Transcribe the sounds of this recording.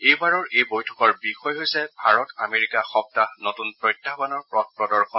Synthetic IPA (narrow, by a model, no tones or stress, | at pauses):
ejbaɹɔɹʔejbojtʰɔ̥kɔɹbixɔjɦojsɛbʱaɹɔtameɹikaxɔp̚tanotunpɹɔjtːabanɔɹpɹɔt̚pɹɔdɔɹxɔ